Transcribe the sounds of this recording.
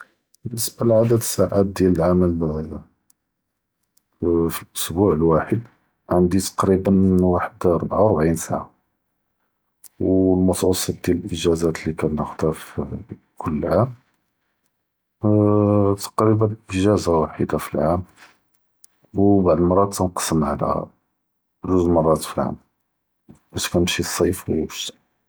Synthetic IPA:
bənːəsbalʕad̪əd̪əsaʔat̪̚d̪jæləlʕaməl | filʔʊ̥sbuʕəlwaħəd̪ | ʕənd̪it̪ɑ̥qɾibənwaħəd̪ɾˤbʕawɾbʕinsaʕa | wlmɑt̪wɑsˤɑt̪̚d̪jæləlʔəʒæzæt̪likænːəxd̪ɑɾf | kʰʊlːəlʕam | t̪ɑ̥qɾibənʔəʒæzawaħid̪afilʕam | wbaʕd̪əlmɑrˤːɑt̪ːænqɑ̥səmʕalhæ̰ | ʒuzmɑrˤːɑt̪filʕa̰m | bæʃkænmʃisˤɑjfwʃt̪æ̥

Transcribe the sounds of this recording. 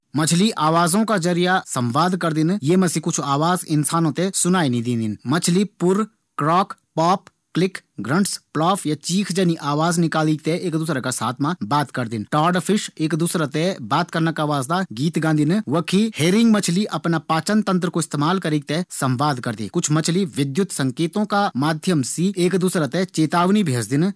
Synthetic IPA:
mɐt͡ʃʰliʔaːʋaːzõkazəɾijasə̃mʋaːd̪kəɾd̪ɪnjemə̃sikʊt͡ʃʰaːʋaːzɪnsaːnõt̪esʊnaːinĩd̪ĩːnd̪ɪnmɐt͡ʃʰlipʊɾ | kɾɔːkʰpɔːp̚ʰ | klɪkɡɾə̃ɳʈsplaːfʰjat͡ʃiːkʰd͡ʒəniʔaːʋaːznɪkaːliːɡ̚t̪eʔeːkd̪ʊːsɾakasaːt̪ʰmãbaːt̪kəɾd̪ɪnʈaːɾɖpʰɪʃeːkd̪uːsɾat̪ɛbaːt̪kəɾnakaːʋaːzd̪aɡiːt̪ɡãːnd̪ʱinʋəkʰiheːɾɪ̃ŋɡmət͡ʃʰliʔɐpnapaːt͡ʃənt̪ə̃nt̪̬ɾəkoɪst̪eːmaːlkəɾiːɡ̚t̪ɛsə̃mbaːd̪kəɾd̪ḭkʊt͡ʃʰmət͡ʃʰliʋɪd̪jʊt̪sə̃ŋkeːt̪õkamaːd̪ʱjəmsieːkd̪uːsɾat̪ɛt͡ʃeːt̪aːʋnibʱeːd͡ʒd̪ɪn

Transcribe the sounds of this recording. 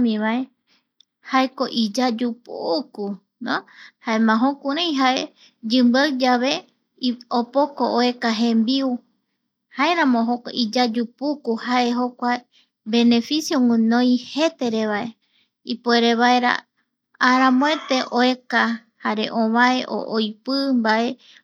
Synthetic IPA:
mĩβae̞ | haeko̞ʔid͡ʒad͡ʒupuku | nõhaemãɦõkuɾ̃ẽj̃ɦaʔe | d͡ʒɨmbawd͡ʒaβe̞ | opokooe̞kaɦẽmbiu | hae̞ɾãmõɦokʔid͡ʒad͡ʒupukuhaʔe̞ɦokʷa | be̞ne̞fisjoŋɨ̃nõj̃he̞t̪e̞ɾeβae̞ | ipoeɾeβaeɾa̰ | aɾãmõet̪e̞ʔoe̞ka | haɾe̞̰ʔõβaeʔo̰ʔojpɨmbae̞

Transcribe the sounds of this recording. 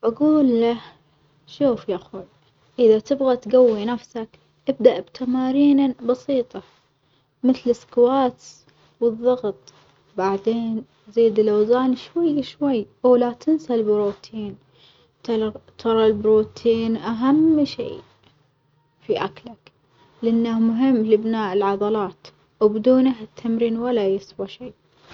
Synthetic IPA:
ʔʔaɡuːlːah | ʃuːfjaxuːl | ʔɪðat̪ɪbɣat̪ɡawːinafsak | ʔɪb̚d̪aʔbt̪ʰamaːɾiːnabɑsiːt̪ˤɑ | mɪθlɪskwaːt̪s | wɨðˤːɑɣt̪ˤ | baʕd̪eːn | ziːd̪ɪlʔawzaːnʃwajːʃwajːʔawlat̪ʰɪnsalbɾuːt̪ʰiːn | t̪t̪ʰɑɾˤɑlbɾuːt̪ʰiːnʔaɦamːʃḭː | fiʔaklak | lɪʔanːahmʊɦɪmːlɪbnaːʔɪlʕɑðˤɑlɑːt̪ | wbɪd̪uːnahɪt̪ʰːamɾiːnwalːajɪswaʃeː

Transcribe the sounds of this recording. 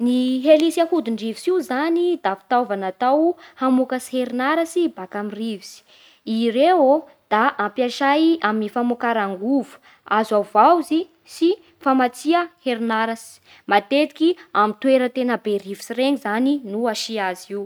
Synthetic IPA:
niɦelisahud̪uɳɖ͡ʐivisiwzanid̪afi̥t̪avanat̪awhamukasi̥heɾnaɾasibakamirivisi̥ | iɾeo | d̪̥aʔampjaʃajaminifamukaɾaŋɡuvu̥ | azavawzi | si | famat͡siəheɾinaɾasi̥ | mat̪et̪i̥kʲiamint̪weɾət̪enəberivisireŋizaninuaʃiaziw

